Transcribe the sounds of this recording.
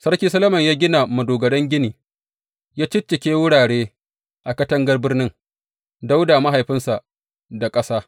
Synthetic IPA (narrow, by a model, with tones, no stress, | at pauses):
sɐ˦rkʲiː˦sɐ˦lɐ˦mɐ˨ɲjaː˦ɡʲɪ˦na˨mɐ˨doː˨ɡɐ˨ɽɐ˦ŋɡʲɪ˦niː˨ | jaː˦t͡ʃɪ˦t͡ʃːɪ˨kʲeː˦wʊ˦ɽaː˨ɽeː˦ | ʔa˨kɐ˦tɐ˦ŋɡɐ˦rbɪ˦rnɪ˦ŋ | da˦wdaː˨ma˦ɦa˨jɸɪ˦nsa˨ʔ | da˨kʼɐ˦saː˦